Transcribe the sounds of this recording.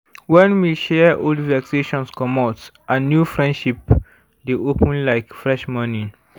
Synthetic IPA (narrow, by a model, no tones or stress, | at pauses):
wɛ̃nwiʃɛoldvɛkseʃɔ̃nskɔmɔtʔãnːjufɹɛ̃ndʃip | deʔopə̃nlaɪkfɹɛʃmanĩ